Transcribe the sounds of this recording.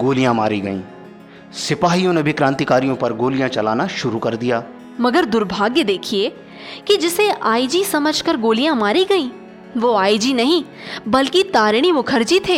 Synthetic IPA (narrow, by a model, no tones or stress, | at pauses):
ɡoːlijãma̰ːɾiɡɐ̰ḭ̃ː | sɪpaːɦijõnebʱikɾãːnt̪ikaːɾijõpɐɾɡoːlɪjãt͡ʃɐlaːnaʃʊɾukɐɾd̪ɪjaː | mɐɡəɾd̪ʊɾbʱaːɡjəd̪eːkʰie | kid͡ʒɪseʔaːid͡ʒisɐməd͡ʒʱkəɾɡoːlijãmaːɾiɡɐĩː | ʋoːaːid͡ʒinɐɦĩ | bɐlkit̪aːɾɽ̃imʊkʰəɾd͡ʒit̪ʰeː